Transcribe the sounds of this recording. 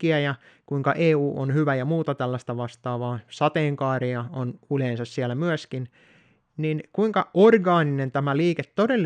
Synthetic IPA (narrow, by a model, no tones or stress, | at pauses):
iæjɑ | kuiŋkɑʔeːuːʔonhyʋæjɑmuːt̪ɑt̪ælːæst̪ɑʋɑst̪ɑːʋɑːsɑt̪eːŋkɑːriɑonuleːnsɑssielːæmyøskin | ninkuiŋkɑʔorɡɑːninent̪æmæliːket̪todelː